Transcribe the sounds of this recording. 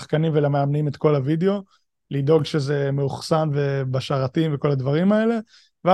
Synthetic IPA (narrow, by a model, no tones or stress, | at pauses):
χkanimvelameamnimet̪ko̞lavideo̞ | lido̞ɡʃeze̞meuχsanve̞baʃaʁatimveko̞lad̪vaʁimae̞le̞ | ve